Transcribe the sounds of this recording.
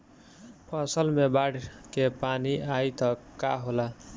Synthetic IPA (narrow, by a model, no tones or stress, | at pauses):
pʰəsəlmebaɽkepaniait̪ʌka̰ɦola